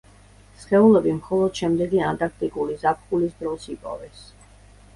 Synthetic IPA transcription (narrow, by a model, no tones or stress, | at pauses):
sχɛulɛbimχɔlˠɔd̪̥ʃɛmd̪ɛɡiant̪ʼaɾk̚ʰt̪ʼikʼulizapʰχulisd̪ɾɔsipʼɔ̰vɛs